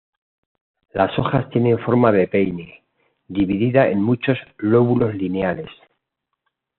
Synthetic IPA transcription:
laso̞xast̪je̞nẽ̞ɱfo̞ɾmaðe̞pe̞jne | d̪iβiðiðae̞̰nmut͡ʃo̞zlo̞βulo̞zlineale̞s

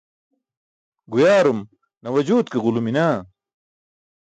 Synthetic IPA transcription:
ɡujaːɾum | nɐwɐd͡ʑuːt̪kiɣuluminaː

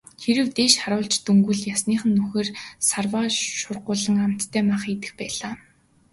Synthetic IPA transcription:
xeɾɘ̆wt̪eːʃχaɾʊːɮt͡ɕt̪uŋɡŭɮjasniːχə̆nːuxeːrsarwaːʃʊrɢʊːɮə̆ŋam̥t̪ːʰæːmaχet̪ɘ̆xpæːɮaː

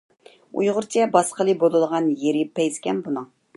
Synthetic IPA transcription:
ṵjʁʊɾt͡ʃʰɛbɑsqəlˠɨbolˠɨlˠəʁɑnjeɾɪpɛjzkʲɛnbunɨŋ

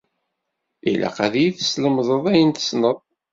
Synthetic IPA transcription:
ilʔæ̰qæðjiθə̥sləmðˤəðˤæjənt̪ə̥snəðˤ

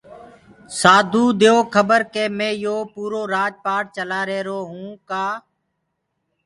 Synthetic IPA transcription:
saːd̪ʱuːd̪ejoːkʰəbəɾkeːmẽːjoːpuːɾoːɾaːd͡ʒpaːʈ̚t͡ʃəlaːɾeːɾoːɦũːkaː

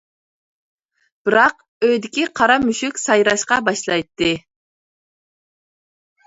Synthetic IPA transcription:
b̥ɪɾɑq | øjd̪ɪkʲiqʰɑɾɑmyʃykʲsɑjɾɑʃqɑbɑʃlˠɑjt̪ːɨ

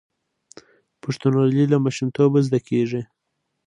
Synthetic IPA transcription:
paʂt̪ʊnalilamaʃimt̪ʰobazd̪akʰeʐi

